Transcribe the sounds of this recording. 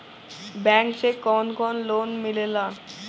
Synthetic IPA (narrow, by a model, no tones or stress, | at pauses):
bɛŋʃekɔnkɔnlonmilela